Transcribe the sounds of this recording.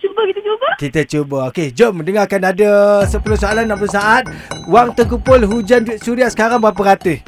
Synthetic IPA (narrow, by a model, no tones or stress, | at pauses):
t͡ʃubəkit̪ət͡ʃubəkit̪ət͡ʃubəoked͡ʒoməndəŋakanadəsəpulohsoalanːampəs̬aʔat̪̚waŋt̪ək̬upʊlɦud͡ʒansuɾiaʔsə̥kaɾaŋbapəɾat̪ə